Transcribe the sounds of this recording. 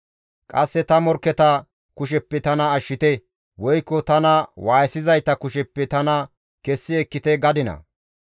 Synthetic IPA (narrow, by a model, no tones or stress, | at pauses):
kʼɐsːɛt̪ɐmɔɾkːɛt̪ɐ | kʊʃ̬ɛpːɛt̪ɐnɐːʃːɪt̪ɛ | wɔjkːɔt̪ɐnɐwaːjsɪzɐjt̪ɐkʊʃɛpːɛt̪ɐnɐ | kɛsːɪɛkːɪt̪ɛɡɐd̪ɪnɐ̰